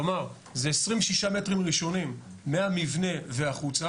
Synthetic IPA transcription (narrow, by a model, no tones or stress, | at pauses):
maʁ | zeesʁimʃiʃame̞tʁimʁiʃo̞nimː | eamivne̞veaχut͡sa